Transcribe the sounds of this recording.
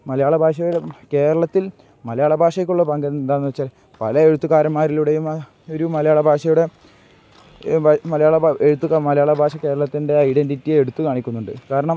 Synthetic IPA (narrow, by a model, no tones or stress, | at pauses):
mɐlɐjaːɭɐbʱaːʂ̬ɐjuɽeke̞ːɾɐɭɐt̪ːil | mɐlɐjaːɭɐbʱaːʂɐjɐkʲːuɭːɐpɐŋɡennd̪aːnuʋɐt͡ɕːaːl | pɐlɐe̞ɻut̪ːuɣaːɾɐnmaːɾiluɽejum | oɾumɐlɐjaːɭɐbʱaːʂɐjuɽe̞ | mɐlɐjaːɭɐeɻut̪ːukamɐlɐjaːɭɐbʱaːʂɐke̞ːɾɐɭɐt̪ːinde̞ɐjɖenditːijeɽut̪ːukaːɳikʲːunːuɳɖɨ̰kaːɾɐɳɐm